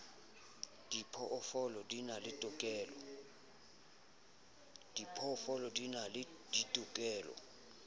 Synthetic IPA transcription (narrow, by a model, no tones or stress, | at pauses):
d̥ipʰɔʔɔfɔlɔdinalɪtʼʊkʼɛːlɔ | d̥ipʰɔːfɔlɔdinal | d̥itʼukʼɛːlɔ̰